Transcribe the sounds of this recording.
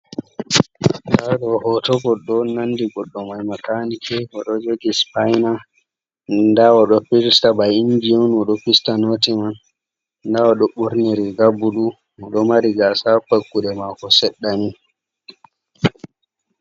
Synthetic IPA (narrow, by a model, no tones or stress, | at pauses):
saɗɔhɔtɔɡɔɗːɔnandiɡɔɗːɔmajmakanikʰɛwaɗɔd͡ʒoɡispajna | ndawaɗɔpiɾstabajind͡ʒionɔɗɔpistanotiman | ndawaɗɔɓuɾniɾiɡabuɗu | ɔɗɔmaɾiɡasapakːudɛmakɔsɛɗːani